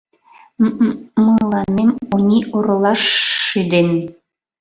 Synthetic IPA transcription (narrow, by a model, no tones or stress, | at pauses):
məlˠɑnemonʲiʔoɾɤlˠɑʃːyd̪en